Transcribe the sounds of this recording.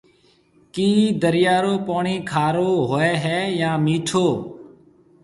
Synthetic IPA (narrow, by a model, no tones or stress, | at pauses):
kiːd̪əɾɪjaːɾoːpoːɳiːkʰaːɾoːɦoːɛːɦɛːjãːmiːʈʰoː